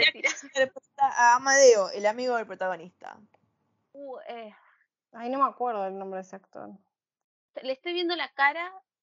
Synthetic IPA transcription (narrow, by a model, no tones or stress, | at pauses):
piɾaseɾepwet̪aʔaːmaðeoʔelamiɣoðelpɾo̞t̪aɣ̞o̞nist̪a̰ | ue | aminomeakweɾðoelnombɾeðeseakt̪o̰ɾ | t̪aleːst̪ejβjend̪o̞lakaɾa